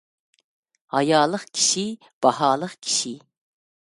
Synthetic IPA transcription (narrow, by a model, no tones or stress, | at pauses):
hɑjɑːlˠəqkʲʰi̥ʃi | b̥ɑhɑːlˠəqkʲʰi̥ʃi